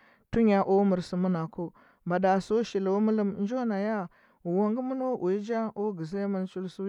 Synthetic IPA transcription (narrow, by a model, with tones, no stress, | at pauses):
tu˦ɲa˨ʔo˦mu˨ɾsu˨mu˦na˨ko˦ | ba˨da˨so˦ʃi˨lo˨˦mu˦lə˦mn˦d͡ʒo˦na˨ja˦ | u˨wa˦ŋɡu˦mu˦no˦ʔu˨i˦d͡ʒa˦o˦ɡi˨ze˦mə˦n˦t͡ʃu˦lsu˦